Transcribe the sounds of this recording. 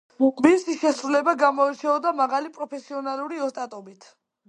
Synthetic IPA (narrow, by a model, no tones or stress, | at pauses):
misiʃɛsɾulɛbaɡamɔit͡ʃʰɛɔd̪amaʁalipʼɾɔpʰɛsiɔnalˠuɾiɔst̪ʼat̪ʼɔbit̪ʰ